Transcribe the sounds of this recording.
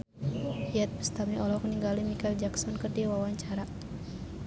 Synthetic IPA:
hiat̪̚bə̥st̪amɲiɔlɔkniŋɡalimikald͡ʒaksɔnkərdiwawaɲt͡ʃaɾa

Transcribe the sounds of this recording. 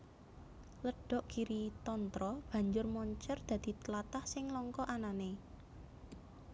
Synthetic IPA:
ləɖ̥ɔ̤ʔkiɾit̪ɔnt̪ɾɔb̥ä̤ɲd͡ʒʊrmɔɲt͡ʃərd̪̥ä̤d̪̥i̤t̪əlat̪ahsɪŋlɔŋkɔʔanane

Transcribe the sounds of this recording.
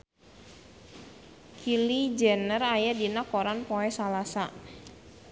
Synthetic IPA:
kʰilid͡ʒɛnərajadinakɔɾanpɔɛsalasa

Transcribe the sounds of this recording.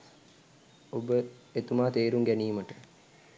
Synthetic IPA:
obəet̪umaːt̪eːɾuŋɡæniːməʈə

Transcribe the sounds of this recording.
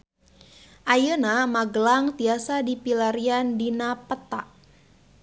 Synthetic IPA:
ʔajənamaɡəlaŋt̪iasadipilaɾiandinapət̪aʔ

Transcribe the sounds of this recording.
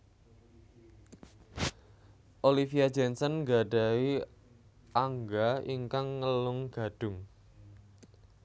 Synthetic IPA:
ʔolifiad̥d͡ʒɛnsənŋɡa̤ɖa̤i | ʔaŋɡaiŋkaŋːəlʊŋɡ̥a̤ɖ̥ʊ̤ŋ

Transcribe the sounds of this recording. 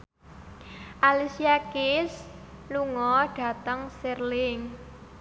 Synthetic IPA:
ʔalisiakɪsluŋɔɖ̥ä̤t̪əŋsɪrlɪŋ

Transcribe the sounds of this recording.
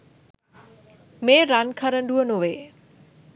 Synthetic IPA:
meːɾankʰaɾəɳɖuənoʋeː

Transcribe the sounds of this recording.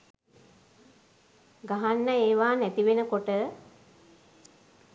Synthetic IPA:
ɡaɦanːəeːʋaːnæt̪iʋenəkoʈə

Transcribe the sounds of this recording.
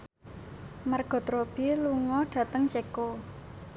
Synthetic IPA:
marɡ̥ɔ̤t̪ɾob̥iluŋɔɖ̥ä̤t̪əŋt͡ʃeko

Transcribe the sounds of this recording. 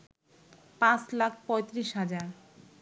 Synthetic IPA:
pãt͡slakʰpɔjt̪ɾiʃɦad͡ʑaɾ

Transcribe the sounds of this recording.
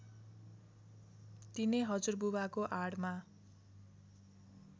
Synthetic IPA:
t̪inejɦʌd͡zurbuwakoʔaɽma

